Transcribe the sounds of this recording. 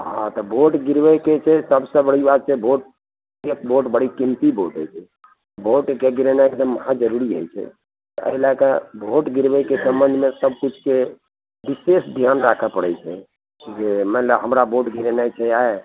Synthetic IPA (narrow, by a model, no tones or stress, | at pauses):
ɦãt̪ɔboʈɡiɾbɛket͡ʃʰɛsəbsə̃bəɽibad̪̚t͡ʃʰɛboʈ̚ | ekboʈbəɽikimt̪iboʈɛ̰t͡ʃʰɛ | boʈkeɡiɾɛnaeɡd̪əmːəɦãd͡ʒəɾuɾiɦə̰jt͡ʃʰɛ̰ | t̪ɔə̰ɦilakebʱoʈɡiɾbɛkesəmːənd̪mesəb̚kut͡ʃʰke | bisesd̪ʱjanɾakʰəpəɽɛt͡ʃʰɛ̰ | d͡ʒemələbɦəmɾaboʈɡiɾɛnajt͡ʃʰɛae